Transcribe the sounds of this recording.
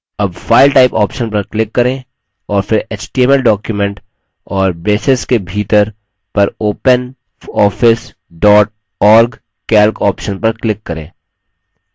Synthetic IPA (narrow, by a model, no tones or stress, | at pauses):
ɐbfaːɪlʈaːɪpɔːpʃənpɐɾklɪkːɐɾẽː | ɔːɾfɪɾeːt͡ʃʈieməlɖɔːkjumẽɳʈ | ɔːɾbeːsɪskebʱiːt̪əɾ | pɐɾoːpən | ɔːfʰɪs | ɖɔːʈ̚ | ɔːɾɡ | kɛːlkɔːpʃənpɐɾklɪkːɐɾḛ̃ː